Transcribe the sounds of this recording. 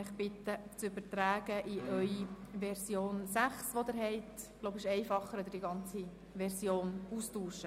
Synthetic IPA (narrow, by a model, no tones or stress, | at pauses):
ɪχbɪt̪ːət͡sʏbətɾæːɡəʔiʔœʏiʋɛɾsjoːnsæχsʋod̪ɪɾɦɛɪtloʊbɪʃɛɪfɑχːəɾɔd̪əɾd̥iɡɑnt͡si | ʋɛɾsjoːnuːstuːʃə